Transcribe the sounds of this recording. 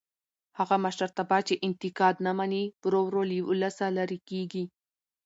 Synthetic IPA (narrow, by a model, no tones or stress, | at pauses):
haɣamaʃaɾt̪abɑt͡ʃeʔɪnt̪ɪkɑd̪namanibɾowɾoliwʊlasalaɾikeɡi